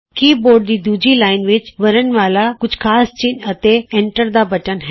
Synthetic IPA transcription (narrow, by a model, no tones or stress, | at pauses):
kiːboːɾɖ̚d͡ʑiːd̪uːd͡ʑilaːɪnʋɪt͡ʃʋɐɾənʋaːlakʊd͡ʑʱkʰaːst͡ɕɪnɐt̪eẽːɳʈəɾd̪abɐʈənɦɛː